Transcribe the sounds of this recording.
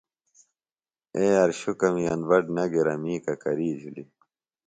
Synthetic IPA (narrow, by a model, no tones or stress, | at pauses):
eːɐɾɕukɐmiɐnbɐɖnɐɡeɾɐmiːkɐkɐɾiːd͡ʑʱuli